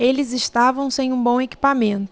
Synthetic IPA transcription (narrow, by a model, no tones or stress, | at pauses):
elɪzɪʃt̪avɐ̃w̃sẽj̃ũbõw̃eki̥pamẽnt̪